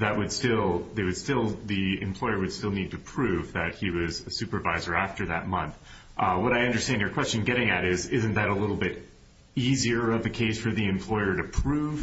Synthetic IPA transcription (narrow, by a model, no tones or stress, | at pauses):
ðɨʔ̚wɨd̥stɪlˠðeɪwɨd̥stɪlˠðiɨ̰̃mpʰl̥ɔɪə˞wɨd̥stɪlˠnid̚tʰɨpʰɹ̥ʉvðɨt̚hiwʌzɨsʉpə˞vaɪzə˞æftə˞ðɨt̚mʌ̃nθ | ʔwʌɾaɪʌ̃ndə˞stæ̃ndjə˞kʰw̥ɛst͡ʃɨ̃n̩ɡɛɾɪ̃ŋɨɾɪzɪzɨ̃n̩ðɨɾəlɪɾl̩ˠbɪɾ | iziə˞ʌvðɨkʰeɪsfə˞ðiɨ̃mpʰl̥ɔɪə˞ɾɨpʰɹ̥ʉv̥